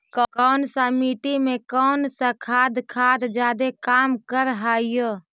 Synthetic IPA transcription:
kkɔːnsãmiːʈimẽkɔːnsakʰaːd̪kʰaːd̪d͡ʒaːd̪ekaːmkəɾɦaːijo

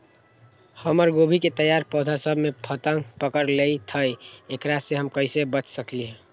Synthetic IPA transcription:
həməɾɡobʱiket̪əjaɾpɔd̪ʱasəbʱmepʰət̪əŋɡpəkəɾlejt̪ʰəjekɾaseɦəmkəɪsebət͡ʃsəkliɦɛ

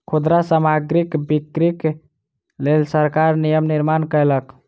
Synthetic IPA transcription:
kʰud̪ɾasamaɡɾikbikɾik | lelsəɾkaɾnijəmniɾmankəjlək

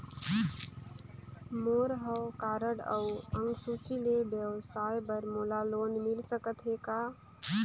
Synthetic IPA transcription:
moɾɦəwkaɾəɽəwəŋɡsut͡ʃilebjəʋsajbəɾmolalonmilsəkət̪ɦeka

